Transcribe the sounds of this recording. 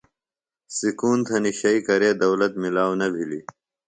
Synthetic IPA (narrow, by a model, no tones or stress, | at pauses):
sikuːnt̪ʰɐniɕɐikɐɾeːd̪ɐwlɐt̪milaːwnɐbʱili